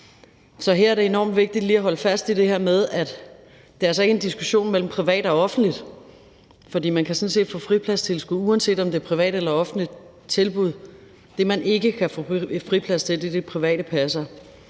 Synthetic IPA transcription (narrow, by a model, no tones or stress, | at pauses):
sɒ̽ɦeɐɐdɾe̝e̝nɒ̰ːmd̥ʋe̝ɡ̥̚d̥id̥liːæɦɒ̽ləfæsd̥id̥e̝hæɐmeð̞ˠæd̥ | d̥eæɐæsɒ̽e̝ɡəendisɡ̥uɕo̝̰ːnmel̰m̩pʰʁiʋɛ̰ːɾ̥ɒ̽ɒ̽fn̩d̥lid̥ | fɒ̽d̥ḭːmænkʰæsɒ̽n̩se̝̰ːd̥fɔ̰ːfʁipʰlæst͡sʰe̝lsɡ̥uuænse̝̰ːd̥ɒ̽md̥epʰʁiʋɛ̰ːɾ̥elɐɒ̽fn̩lid̥ | t͡sʰe̝lb̥uð̞̰ˠ | d̥e̝mænʔe̝ɡ̥əkʰæfɔ̰fʁipʰlæst͡sʰe̝ld̥ed̥e̝pʰʁiʋɛ̰ːɾəpʰæsɐ